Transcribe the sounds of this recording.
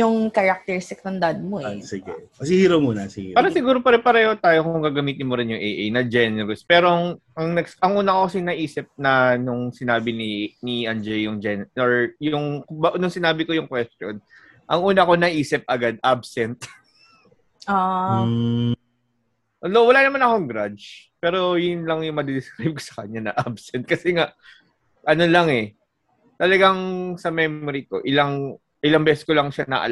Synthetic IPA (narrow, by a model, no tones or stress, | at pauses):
jʊŋkɐɾak̚t̪ɛɹst̪ɪknɐŋd̪ɐd̪̚moʔsɪɡɛ̰ɐsɪhiːɾɐpmunɐsɪɡḭaːɾɐsɪɡuːɾopɐɾɪpɐɾɛːhot̪aːjokʊŋɡaːɡɐmiːt̪ɪnmoɾɪnjʊŋʔejʔejnɐd͡ʒɛnɛɾɛspɛːɾoʔɐŋʔɐŋnɛɡsɐŋʔuːnɐkokɐsɪnɐʔiːsɪp̚nɐnʊŋsɪnaːbɪniniʔɐnd͡ʒɛjʊŋd͡ʒɛnoɹjʊŋkbɐʔnʊŋsɪnaːbɪko̞jʊŋkwɛst̪jon | ʔɐŋʔuːnɐɐko̞nɐʔiːsɪp̚ʔɐɡad̪̚ʔabsɛnt̪ | ʔa | ʔod̪owɐlaːnɐmanɐkoŋɡɾad͡ʒpɛːɾo̞jʊnlɐŋjʊŋmɐd̪ɛd̪ɪskɾajb̚ko̥sɐ̥kɐɲanɐʔabsɛnt̪̚kɐsɛŋaʔ | ʔɐno̞lɐŋɛ | t̪ɐlɐɡaŋsɐmɛmoɾiko̞̰ʔɪlaŋ | ʔɪlaŋbɛːsɛskolɐŋʃanɐ̰ʔɐ̰l